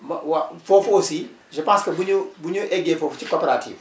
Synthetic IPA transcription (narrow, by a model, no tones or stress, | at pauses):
mwafofosi | ʒɐpãːskɐbuɲobuɲoʔɛɡefoːft͡ʃikoːpeɾatʰḭːv